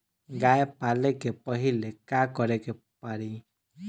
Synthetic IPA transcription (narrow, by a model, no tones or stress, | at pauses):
ɡaepalekepɔɦilekakɔɾeke | paɾi